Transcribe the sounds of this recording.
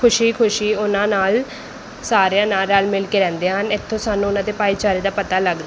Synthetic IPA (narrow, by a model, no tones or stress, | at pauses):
kʰʊʃiːkʰʊʃiːʊnãːnaːl | saːɾjãːnaːlaːlmɪlkeːɾɛ̃ːnd̪eːɦənɪt̪ʰːõːsaːnːũːʊnãːd̪eːpaːiːt͡ʃaːɾeːd̪aːpət̪aːləɡd̪a